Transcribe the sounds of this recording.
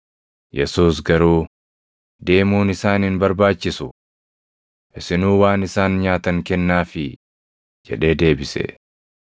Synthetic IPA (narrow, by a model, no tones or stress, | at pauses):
jɛsuːs̬ɡɐɾuː | d̪e̞ːmuːnɪsaːnɪnbɐɾbaːt͡ʃːɪsʊ | ʔɪsɪnuːwaːnɪsaːnɲaːt̪ɐŋkɛnːaːfɪ | d͡ʒɛᶑe̞ːd̪e̞ːbɪsɛ̰